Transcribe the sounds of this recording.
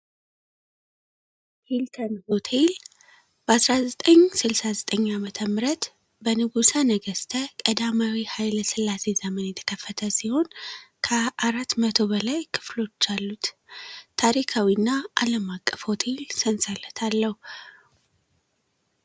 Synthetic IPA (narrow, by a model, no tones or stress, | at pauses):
hilt̪ʰənho̞t̪ʰe̞l | b̥əasɾazət̪ʼəɲsɨlsazət̪ʼəɲːamət̪ʰəmɾət̪ | bənɨɡusanəɡəst̪ʰəkʼəd̪amawihajlsɨlːase̞zəmənjɛt̪ʰə̥kʰəfːət̪ʰəsiho̞nkʰəaɾat̪mət̪ʰo̞bəlajkʰɨ̥flo̞t͡ʃːalːut̪t̪ʰaɾikʰawinːaʔaləmakʼːəfho̞t̪ʰe̞lsənsʼələt̪ʰalːəhu